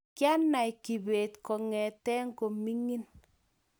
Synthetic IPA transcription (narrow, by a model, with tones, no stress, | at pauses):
kja˦na˨jki˨be˨tkɔ˨ŋɛ˨tɛ˦ŋɡo˨mi˦ŋi˦n